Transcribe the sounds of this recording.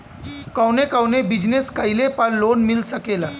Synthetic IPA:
kawnekawnebid͡ʑneskajlepaɾlonmilsəkela

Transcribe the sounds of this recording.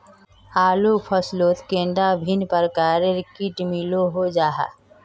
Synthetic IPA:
aːlupʰəsloːt̪kẽːɳɖabʱɪnpəɾəkaːɾeɾɪkiʈmiloɦod͡ʒaːɦa̰

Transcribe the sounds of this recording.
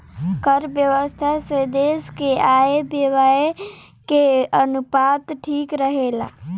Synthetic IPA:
kəɾbjəʋəst̪ʰased̪eskeaebeʋae | keənupat̪ʈʰikɾəɦela̰

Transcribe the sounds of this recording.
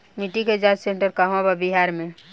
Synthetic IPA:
miʈiked͡ʒad͡ʒsẽɳʈəɾkaɦõbabiɦaɾmẽ

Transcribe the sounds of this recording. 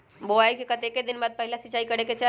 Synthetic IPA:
boaːekikɐt̪eːked̪ɪnbaːd̪̚pɛɦɪlasɪt͡ʃaːikɐɽeket͡ʃa

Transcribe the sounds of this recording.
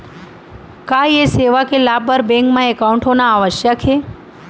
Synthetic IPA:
kajeseʋakelabəɾbẽŋkmãekaũɳʈɦonaːʋəʃjəkʰɦe

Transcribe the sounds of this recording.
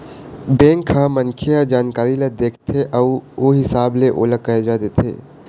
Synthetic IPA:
bẽːŋkʰːamənkʰijad͡ʒaːnkaːɾiled̪eːkʰt̪ʰeʔəuoɦɪsaːbleʔo̰ːləkaed͡ʒad̪et̪ʰḛː

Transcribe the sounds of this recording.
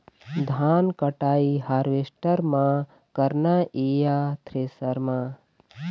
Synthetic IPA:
d̪ʱaːnkɐʈaːiɦaɾʋesʈəɾmã | kɐɾnaʔeːjat̪ʰɾesəɾmãː

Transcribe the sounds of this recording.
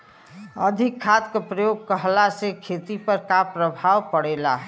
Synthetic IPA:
ə̰d̪ʱikʰːat̪kepɾəjoːɡ̚kəɦlasekʰet̪ipəɾkapɾəbʱawpəɽelaɦɛ

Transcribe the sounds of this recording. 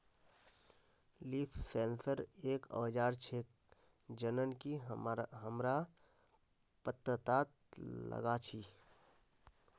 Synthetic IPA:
liːpʰsẽːnsəɾeːkə̰ːd͡ʒaːɾt͡ʃʰeːk̚ | d͡ʒənənkiɦəmɾa | pət̪ɾət̪aːt̪̚lə̰ɡat͡ʃʰiː

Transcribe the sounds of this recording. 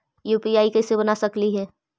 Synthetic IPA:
juːpiaːikɛːsebɐnasɐkliɦɛː

